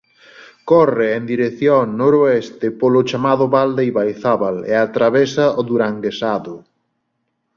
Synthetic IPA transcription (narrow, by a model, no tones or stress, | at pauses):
kɔreend̪iɾeθjonoɾoest̪ɪpolʊt͡ʃamaðʊβald̪ejβajθaβalḛat̪ɾaβesaoðuɾaŋɡesaðʊ